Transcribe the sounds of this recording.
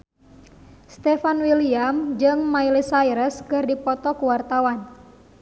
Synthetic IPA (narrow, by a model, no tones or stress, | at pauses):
st̪ɛfanwiliamd͡ʒɨŋmailisajɾəskɨrdipɔt̪ɔkuwart̪awan